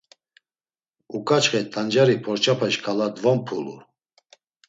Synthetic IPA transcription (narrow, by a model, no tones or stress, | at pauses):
ukʼat͡ʃχɛt̪ʰand͡ʒaɾipʰɔɾt͡ʃʰapʰɛʃkʰalad̪vɔmpʰulṵ